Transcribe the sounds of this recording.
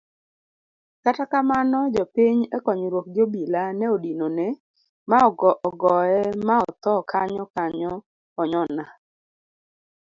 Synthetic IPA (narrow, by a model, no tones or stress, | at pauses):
katakamanɔd͡ʒɔpiɲɛkɔɲɾwok̚d͡ʒobilanɛodinonɛ | maɔɡɔʔɔɡɔɛmaɔt̪ɔkʰaɲɔkaɲɔː | ɲɔna